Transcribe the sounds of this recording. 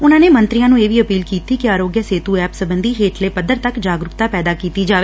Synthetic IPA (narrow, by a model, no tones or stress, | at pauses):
ʊnãːneːmənt̪ɾɪjãːnũːeːʋiːəpiːlkiːt̪iːkɪaːɾoːɡjaseːt̪uːɛːpsəbənd̪iːɦeːʈleːpəd̪əɾt̪əkd͡ʒaːɡɾʊpt̪aːpɛːd̪aːkiːt̪iːd͡ʒaːʋeː